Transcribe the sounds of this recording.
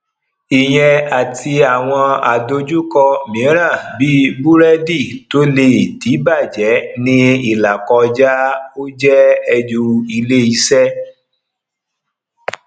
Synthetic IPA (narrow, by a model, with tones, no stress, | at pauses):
i˨j̃ɛ̃˧a˨tʰi˧a˨w̃ɔ̃˧a˨do˧d͡ʒu˦kɔ˧mĩ˨˦ɾ̃ã˦˨bi˦bu˦ɾɛ˦di˦˨to˦le˧˨ti˨˦ba˦˨d͡ʒɛ˨˦nĩ˦i˦˨la˨kɔ˧d͡ʒa˦o˦d͡ʒɛ˦ɛ˧d͡ʒu˧i˧le˦i˧˦sɛ˦